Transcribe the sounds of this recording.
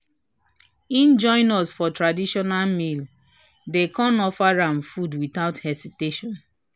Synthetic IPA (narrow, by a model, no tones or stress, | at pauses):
ĩnd͡ʒɔ̃ɪ̃nɔsfɔtɹadiʃɔnalmil | dekɔ̃nɔfaɹãnfudwitaʊthɛsiteʃɔ̃n